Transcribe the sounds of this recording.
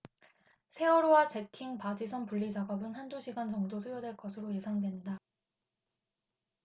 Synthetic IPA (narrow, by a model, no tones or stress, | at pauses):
sʰe̞ʌɾowat͡ɕe̞kʰiŋpad͡ʑisʰʌnpuʎːid͡ʑaɡʌbɯnhand͡ʑuɕʰiɡand͡ʑʌŋdosʰujʌdweɭk͈ʌsʰɯɾoje̞sʰaŋdwe̞nda